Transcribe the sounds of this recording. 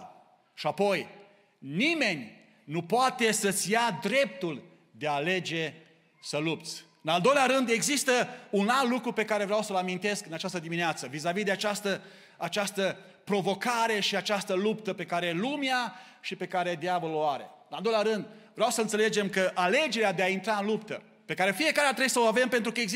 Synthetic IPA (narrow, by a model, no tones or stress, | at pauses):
ʃiapo̞j | nime̞nʲ | nupoat̪e̞sət̪sʲjad̪ɾe̞p̚t̪ul | d̪eaːle̞d͡ʒe̞ | səlup̚t̪sʲ | ɨnald̪o̞jleaɾɨnd̪e̞ɡzist̪əunallːukɾupe̞kaɾe̞vɾeawsəlamint̪e̞skɨnat͡ʃast̪əd̪imineat̪səvizavid̪eat͡ʃast̪ə | at͡ʃast̪ə | pɾo̞vo̞kaɾe̞ʃiat͡ʃast̪əlupt̪əpe̞kaɾe̞lumea | ʃipe̞kaɾe̞d̪javəloaɾe̞̰ɨnald̪ojlʲaɾɨnd̪ | vɾeawsəɨnt̪se̞le̞d͡ʒe̞mkəʔale̞d͡ʒe̞ɾead̪eaint̪ɾaɨnlupt̪ə | pe̞kaɾe̞fije̞kaɾeat̪ɾejsəoave̞mpe̞nt̪ɾukəeɡz